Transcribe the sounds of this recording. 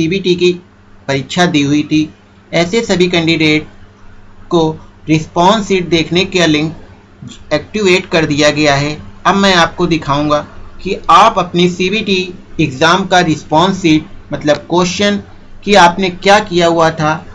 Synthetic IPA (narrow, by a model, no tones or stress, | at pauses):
siːbiːʈiki | pɐɾɪt̪ːʃad̪iɦʊit̪ʰiː | ɛːsesɐbʱikɛ̃ːɳɖɪɖeːʈ̚ | koɾɪspɔ̃ːnsiːʈ̚d̪eːkʰnekalɪ̃ŋk | ɛːk̚ʈɪʋeːʈkɐɾd̪ijaɡɐjaɦɛːɐbmɛ̃aːp̚kod̪ɪkʰaːũːŋɡaːkiaːpɐpnesiːbiːʈiɪɡzaːmkaɾɪspɔ̃ːnsiːʈ̚mɐt̪ləb̚koːʃən | kiaːpnekjaːkijaɦuat̪ʰaː